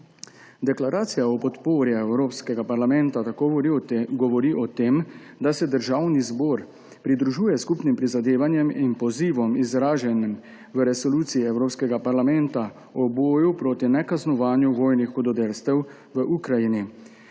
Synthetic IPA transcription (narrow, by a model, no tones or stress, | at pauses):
d̪ɛklaɾʔaːt̪sijaɔpɔt̪poːɾjɛɛwɾoːpskɛɡapaɾlamɛnt̪at̪akoɡɔʋɔɾiːʔɔt̪eːm | d̪asɛd̪əɾʒawnizbɔːɾ | pɾid̪ɾuʒuːjɛskuːpnimpɾizad̪eːʋanjɛminpɔziːʋɔmizɾaːʒɛnim | ʋəɾɛsɔluːt̪siiɛwɾoːpskɛɡapaɾlamɛnt̪a | ɔboːjupɾoːt̪inɛkaznɔʋaːnjuʋɔːjnixɔd̪ɔd̪elst̪ɛw | ʋəʔukɾajini